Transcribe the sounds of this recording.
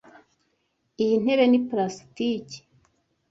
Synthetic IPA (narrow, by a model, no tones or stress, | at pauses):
ijin̥e̞βe̞nipɾasitici̥